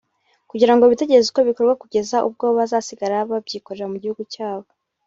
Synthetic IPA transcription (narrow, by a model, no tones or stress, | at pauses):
kuɟiɾaŋɡoβite̞ɟe̞ɾezuko̞βiko̞ɾɡwakuɟe̞zaʔṵb̚ɡo̞ːβazaːsiɡaɾaβab̚ɟiːko̞ɾe̞ɾamuɟihuɡucaːβo̞